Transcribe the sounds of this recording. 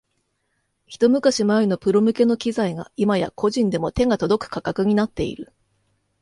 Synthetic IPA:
çi̥t̪o̞mɯ̟kaɕimano̞pɯ̟ɾo̞mɯ̟ke̞no̞kʲizaiɡa̰imaja̰ko̞ʑĩnd̪e̞mo̞t̪e̞ŋat̪o̞d̪o̞kɯ̟̥kakakɯ̟ɲ̟inat̪ːe̞ḭɾɯ̟

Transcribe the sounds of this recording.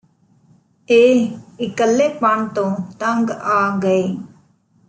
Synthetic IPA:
eːɪkəlːeːpəɳt̪õːt̪əŋɡaːɡəeː

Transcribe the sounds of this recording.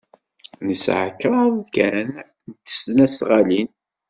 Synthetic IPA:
nəsʕə̰kːɾˤɑðˤkæn | nt̪ːə̥stnæsʁalin

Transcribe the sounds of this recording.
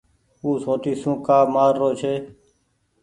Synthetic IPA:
uːsõːt̪iːsũːkaːmaːɾːoːt͡ʃʰeː

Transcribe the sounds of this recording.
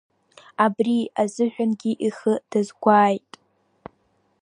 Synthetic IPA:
abriazɨʒᶣanɡʲiʔiχəd̥azɡʷaːjtʼ

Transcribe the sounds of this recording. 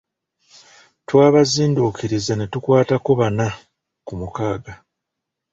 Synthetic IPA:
twaːβaziːnduːkʰiɾizanetukwaːtako̞βana | kumukaːɡa

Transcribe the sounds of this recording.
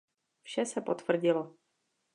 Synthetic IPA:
fʃɛsɛpo̞t̪v̥r̩ɟɪlo

